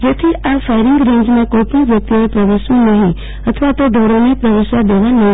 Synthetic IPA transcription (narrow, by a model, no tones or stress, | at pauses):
jɐt̪ʰiʔafaɪɾɪŋɡɾẽːɲd͡ʒmẽkoːjp̪əʋjɐk̚t̪ioẽpɾɐʋəʃũnɐɦĩ | ɐt̪ʰəʋat̪oɖʱoːɾõmẽpɾəʋəʃad̪eːʋanɐ̃